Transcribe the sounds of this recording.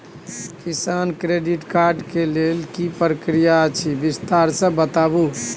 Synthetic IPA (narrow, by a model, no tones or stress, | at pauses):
kisankɾeɖiʈkaɾɖkelelkipɾəkɾijat͡ʃʰibist̪aɾsə̃bət̪abu